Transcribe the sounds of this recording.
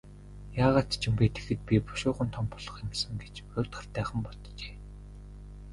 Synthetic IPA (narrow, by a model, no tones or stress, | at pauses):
jaːʁaːt̪t͡ɕʰɪ̆mpet̪ʰe̥xɘ̆t̪̚pʲipʊ̥ʃʊːʁə̆nt̪ʰɔmpʊɮ̥ɞ̆χemsə̆ŋɡet͡ɕʊːt̪χə̆rt̪æːχə̆mpɔt̪t͡ɕe̥ː